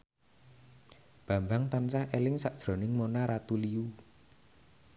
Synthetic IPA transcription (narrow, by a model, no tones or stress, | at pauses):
b̥a̤mbaŋt̪ansahʔelɪŋsaʔd̥ʒ̥ɾo̤nɪŋmonaɾat̪uliu